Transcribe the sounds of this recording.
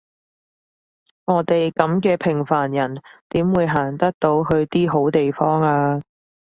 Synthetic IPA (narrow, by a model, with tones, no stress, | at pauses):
ŋɔː˨˧t̪e˨jkɐ˨˥mkɛː˧pʰɪ˨˩ŋfaː˨˩njɐ˨˩nt̪iː˨˥mwuː˨˧jɦaː˨˩ŋt̪ɐ˥k̚t̪o˨˧˥wɦɵ˧ɥt̪iː˥ɦo˨˥wt̪e˨jfɔː˥ŋaː˧